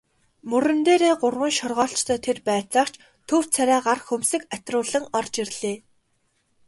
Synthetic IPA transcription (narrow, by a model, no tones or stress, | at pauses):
mɵɾɘ̆nt̪eːɾeːɢʊrwə̆nʃɔrʁɔːɬt͡ɕt̪ʰœːt̪ʰerpæːt͡saːχt͡ɕʰ | t̪ʰɵw̥t͡sʰæɾæːɢarxɵmsɘ̆kat̪rʊːɮə̆ŋɔrt͡ɕirɮ̥eː